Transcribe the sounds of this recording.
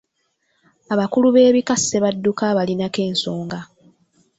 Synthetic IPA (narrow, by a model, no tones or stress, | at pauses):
aβakuluβe̞ːβikasːeβadːukaβalinake̞ːnso̞ːŋɡa